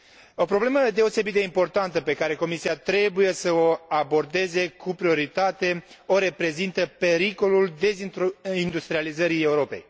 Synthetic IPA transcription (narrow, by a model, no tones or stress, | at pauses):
o̞pɾo̞ble̞məd̪e̞o̞se̞bit̪̚d̪e̞impo̞rt̪ant̪əpe̞kaɾe̞ko̞misiat̪ɾe̞buje̞səoabo̞rd̪e̞ze̞kʰupɾio̞ɾit̪at̪e̞o̞ɾe̞pɾe̞zint̪əpe̞ɾiko̞luld̪e̞zind̪ust̪ɾializəɾie̞uɾo̞pe̞̰j